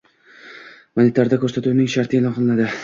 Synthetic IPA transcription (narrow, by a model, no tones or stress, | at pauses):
manʲɪt̪ʰaɾd̪akʰʲɵɾsat̪uwnɪŋʃaɾt̪ɪelɒqʰɨlˠnad̪ɪ